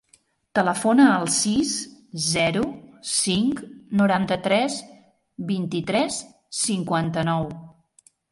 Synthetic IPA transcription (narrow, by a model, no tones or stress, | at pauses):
t̪ələfonəːlˠsiszɛɾusiŋknuɾant̪ət̪ɾɛs | βint̪it̪ɾɛs | siŋkwant̪ənɔw